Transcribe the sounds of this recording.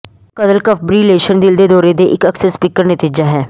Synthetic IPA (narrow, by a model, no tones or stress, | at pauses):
kəd̪əlkəpʰbɾileːʃənd̪ɪld̪eːd̪ɔːɾed̪eʔɪkəksəɾspiːkəɾnət̪iːd͡ʒaɦɛː